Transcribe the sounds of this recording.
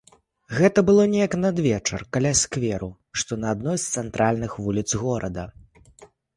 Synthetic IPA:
ɣɛt̪ɐbɨlˠɔnʲɛjɐknɐd̪vʲɛt͡ʂɐ̰rkalʲasʲkvʲɛɾu | ʂt̪ɔnɐːd̪nɔjst̪sɛnt̪ɾʔalʲnɨxvulʲit̪sɣɔɾɐd̪ɐ

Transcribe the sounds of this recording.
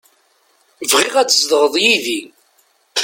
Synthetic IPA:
vʁiʁæt͡sːəsðəʁəðˤjiði

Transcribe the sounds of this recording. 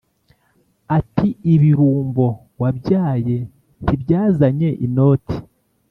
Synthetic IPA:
atʰiiβiɾuːmbo̞ | wabɟaːje̞ | n̥ibɟaːzaɲe̞ʔino̞ːtʰi̥

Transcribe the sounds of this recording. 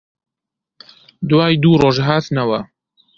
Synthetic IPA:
d̪waːjd̪uːroːʒɦaːt̪nɐwɐ

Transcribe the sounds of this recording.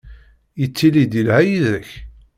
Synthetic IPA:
jət͡sːilid̪ilhæjiðəç

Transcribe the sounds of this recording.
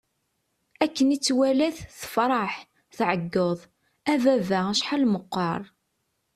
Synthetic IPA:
ækːənit͡sːwælæθθə̥fɾˤɑħ | θʕəɡːəðˤ | ævævææʃħalməqːɑɾˤ

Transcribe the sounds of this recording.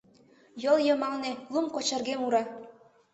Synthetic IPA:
jɤljɤ̆mɑlnelˠumkot͡ɕə̆rɣemuɾɑ

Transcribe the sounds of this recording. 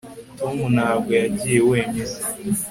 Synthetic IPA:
tomunaɡʷead͡ʒieweːɲesi̥

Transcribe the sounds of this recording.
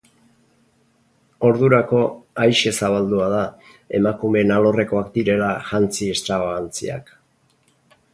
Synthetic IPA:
o̞ɾðuɾako̞ajʃe̞saβ̞ald̪uaða | e̞makume̞nalo̞re̞ko̞akd̪iɾe̞laʝant͡sie̞st̪ɾaβaant͡sḭa̰k

